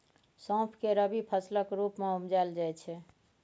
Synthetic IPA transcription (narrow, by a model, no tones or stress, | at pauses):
sɔ̃ːpʰkeɾəbipʰəsləkɾupmeumd͡ʒaeld͡ʒat͡ʃʰɛ